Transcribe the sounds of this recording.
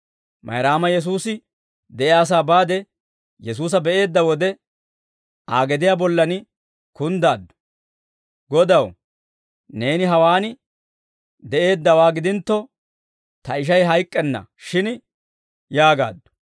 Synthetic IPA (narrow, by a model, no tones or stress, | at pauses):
mʔɐ̰jɾaːmɐjɛs̬uːsɪ | d̪ɛʔɪaːs̬aːbaːd̪ɛ | jɛs̬uːs̬ɐbɛʔe̞ːd̪ːɐwɔd̪ɛ | aːɡɛd̪ɪjaːbɔlːɐnɪ | kʊnd̪aːd̪ːʊ̥ | ɡɔd̪ɐw | ne̞ːnɪɦɐwaːnɪ | d̪ɛʔe̞ːd̪ːɐwaːɡɪd̪ɪnt̪ːɔ | t̪ɐɪʃ̬ɐjɦɐjkʼːɛnːɐ̰ʃɪn | jaːɡa̰ːd̪ːʊ̥